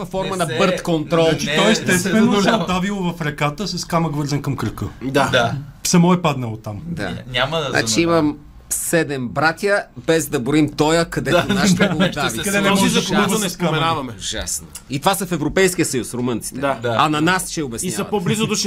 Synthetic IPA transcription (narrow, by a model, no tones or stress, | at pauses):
vɐfɔɾmɐnɐbɤɾt̪kont̪ɾɔlˠt̪ɔɛst̪ɛst̪vɛnoɛd̪avilˠovɐfɾɛkat̪əsɐskaməɡvɤɾzɐnkɐmkɾəkəd̪aasɐmɔɛpad̪nɐlˠot̪amd̪a̰nʲamɐna̰t͡ʃiimɐm | sɛd̪ɛmbɾat̪ʲjəbɛzd̪ɐboɾimt̪ɔjəkɐd̪ɛt̪naʃt̪ɐld̪avikɐd̪ɛnɛmiɐnɛsamɛnavɐmɛʒa̰sno | it̪ovasɐfɛvɾopɛjsk̟ijəsɐjusfɾomɤnt̪si̥t̪ɛɐnɐnast͡ʃɛɛobɛsiaɐpoblizʊd̪oʃ